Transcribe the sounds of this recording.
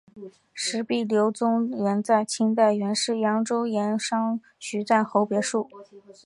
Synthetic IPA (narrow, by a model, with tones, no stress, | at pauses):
ʂɻ̩˧˥pi˥˩ljo˧˥ʊt͡sʊ˥ŋjɛ˧˥nt͡sa˥˩ɪt͡ɕʰi˥ŋt̪a˥˩ɪɥɛ˧˥nʂɻ̩˥˩jɑ˧˥ŋʈ͡ʂo˥ʊjɛ˧˥nʂɑ˥ŋ | t͡ɕy˧˥t͡sa˥˩nxo˧˥ʊpjɛ˧˥ʂu˥˩